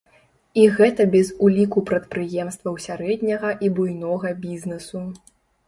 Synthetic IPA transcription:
iɣɛt̪ɐbʲɛzulʲikupɾɐt̪̚pɾɨjɛmst̪vɐwsʲaɾɛd̪ʲnʲɐɣɐʔibujnɔɣɐbʲiznɛsu

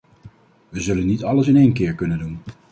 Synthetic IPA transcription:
ʋəzɵlənːitɑləsɪnejnkɪːɹkɵnəndun

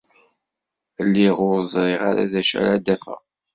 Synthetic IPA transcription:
lːiʁʊɾəzˤɾˤiʁaɾa̰ðæʃæ̰ɾad̪æfæ̰

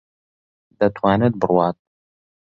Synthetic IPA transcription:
d̪ɐt̪ʰwaːnɛd̪̚bɨrwaːt̪ʼ

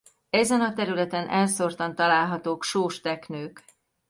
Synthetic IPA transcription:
ɛzɛnɒt̪ɛɾylɛt̪ɛnʔɛlsort̪ɒnt̪ɒlaːlɦɒt̪oːkʃoːʃt̪ɛknøːk

